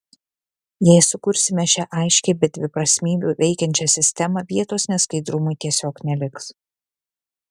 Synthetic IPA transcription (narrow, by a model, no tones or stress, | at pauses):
jɛɪsʊkʊɾʲsʲɪmʲɛʃʲæʔɐɪʃʲkʲɛɪbʲɛt̪̚d̪ʲʋʲɪpɾɐsʲmʲiːbʲuːʋʲɛɪkʲɛnʲt͡ʃʲɛsʲɪsʲt̪ʲɛmɐʋʲiɛt̪oːsnʲɛskɐɪd̪ɾʊmʊɪt̪ʲiɛsʲoːknʲɛlʲɪks